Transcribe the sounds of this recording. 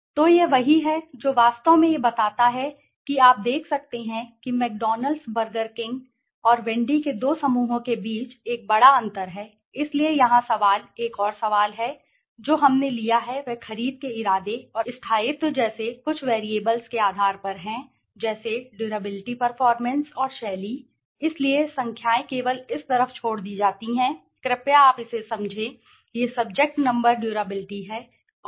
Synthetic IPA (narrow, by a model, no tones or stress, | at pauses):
t̪oːjeʋɐɦiɦɛd͡ʒoːʋaːst̪õmẽjebɐt̪aːt̪aɦɛ | kiaːp̚d̪eːkʰsɐk̚t̪eɦɛ̃kimɛːk̚ɖɔːnəlɖsbəɾɡəɾkɪ̃ŋɡ | ɔːɾʋɛ̃ɳɖiked̪oːsɐmuːɦõkebiːt͡ʃeːk̚bɐɽaɐ̃nt̪əɾɦɛː | ɪsliejɐɦãsɐʋaːleːkɔːɾsɐʋaːlɦɛ | d͡ʒoːɦɐmnelijaɦɛʋɛxɐɾiːd̪̚keɪɾaːd̪eɔːɾɪst̪ʰaːet̪ːod͡ʒɛːsekʊt͡ʃʰʋɛːɾieːbəlskeaːd̪ʱaːɾpɐɾɦɛ̃ | d͡ʒɛːseɖjuːɾəbɪlɪʈipɐɾfɔːɾmɛ̃nsɔːɾʃɛːli | ɪsliesɐ̃ŋkʰjaːẽkeːʋəlɪst̪ɐɾəft͡ʃʰoːɽd̪iːd͡ʒaːt̪iɦɛ̃ː | kɾɪpjaaːpɪsesɐ̃md͡ʒʱẽː | jesɐb̚d͡ʒek̚ʈnɐ̃mbəɾɖjuːɾəbɪlɪʈiɦɛː